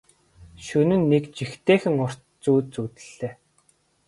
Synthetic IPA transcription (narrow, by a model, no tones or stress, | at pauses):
ʃunɘ̆nːekt͡ɕixt̪eːxɘ̆ŋʊr̥ | t͡suːt͡suːt̪ɘ̥̆ɮːeː